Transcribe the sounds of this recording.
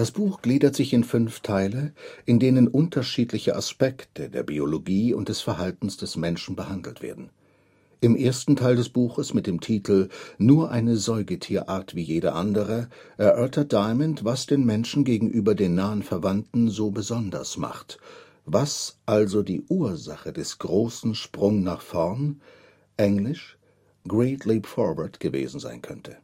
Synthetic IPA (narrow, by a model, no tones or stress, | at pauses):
d̥asb̥uːxɡ̥liːdɐtz̥ɪçɪnfʏnftʰaɪləʔɪndeːnənʔʊntʰɐʃiːtlɪçəʔaspɛktədḛːɐbioloɡiːʊ̰nt̚d̥ɛsfɛɐhaltn̩sd̥ɛsmɛnʃn̩bəhandl̩tv̥ḛːɐdn̩ | ʔɪmʔeːɐstn̩tʰaɪldɛsb̥uːxəsmɪt̚d̥eːmtʰiːtʰl̩nuːɐʔaɪnəzɔʏɡətʰiːɐʔaːɐtv̥iːjeːdɐ̰ʔandəʁ̞ə | ʔɛɐʔœɐtʰɐt̚d̥aɪməntvasd̥eːnmɛnʃn̩ɡeːɡŋ̩ʔyːbɐdeːnːaːənfɛɐvantn̩zoːbəzɔndɐ̰sma̰χt | vasʔalzodiːʔuːɐza̰χədɛsɡ̥ʁoːsn̩ʃpʁ̥ʊŋnaːχfɔɐn | ʔɛŋlɪʃ | ɡ̥ʁeɪtliːpfɔɐvɛɐtɡ̥əvḛːzn̩za̰ɪnkʰœntʰə